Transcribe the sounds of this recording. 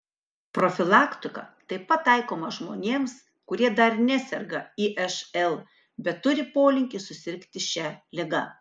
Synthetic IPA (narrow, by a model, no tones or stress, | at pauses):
pɾofʲɪlˠɑːkt̪ʲʊkɐ̰t̪ɐɪpɐt̪ːɐɪkoːmɐʒmoːnʲeːms | kʊɾʲiɛd̪ɐɾnʲæsʲɛɾɡɐiːʔɛʃɛlˠ | bʲɛt̪ːʊɾʲɪpoːlʲɪŋʲkʲɪsʊsʲɪɾʲkt̪ʲɪʃʲɛlʲɪɡɐ